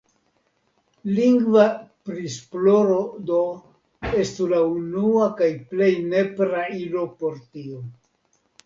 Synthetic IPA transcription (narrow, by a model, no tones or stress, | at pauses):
liŋɡvapɾisplo̞ɾodo | estulaunuakajple̞jne̞pɾailo̞po̞ɾtio